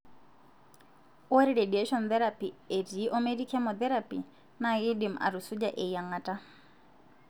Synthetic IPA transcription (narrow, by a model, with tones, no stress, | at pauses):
ɔ˦ɾi˨ɾe˨di˨e˦ʃɔ˨nθɛ˦ɾapi˨e˨ti˨˦ʔɔ˦me˦di˦kɛ˦mɔθɛ˦ɾapi˨ | na˦ɣi˦di˨ma̰˨ɾu˨su˦d͡ʒaʔe˨ja˨ŋa˨ta˦